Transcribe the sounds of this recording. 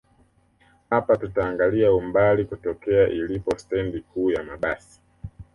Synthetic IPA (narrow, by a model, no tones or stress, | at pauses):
hapatutaːŋɡaliaumbalikutɔkɛaʔilipɔstɛndikuːjamaɓasi̥